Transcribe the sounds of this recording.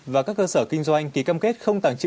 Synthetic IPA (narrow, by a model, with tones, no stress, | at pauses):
vaː˨˩kaː˦˥kːəː˧səː˧˩kï˧ŋ̟zwa˧jŋ̟t̪ʰi˨˩kaː˧mke˦˥t̚xə˧wŋ͡mt̪aː˨˩ŋt͡ɕḭ˧